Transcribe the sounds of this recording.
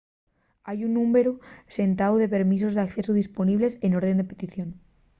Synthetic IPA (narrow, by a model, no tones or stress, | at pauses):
ajunːũme̞ɾuse̞nt̪awðe̞pe̞ɾmis̬o̞zðeakθe̞suð̞ispo̞niβle̞se̞no̞ɾð̞end̪e̞pe̞t̪iθjo̞n